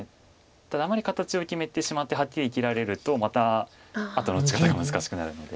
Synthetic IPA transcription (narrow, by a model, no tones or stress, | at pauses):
t̪ad̪aːmaɾʲikat̪at͡ɕio̞kʲime̞t̪e̞ɕimat̪ːe̞ɦakʲːiɾʲiːkʲiɾaɾe̞ɾɯ̟t̪o̞mat̪aː | t̪o̞no̞t͡ɕi̥kat̪aɡamɯ̟zɨkaɕi̥kɯ̟naɾɯ̟no̞d̪e̞̰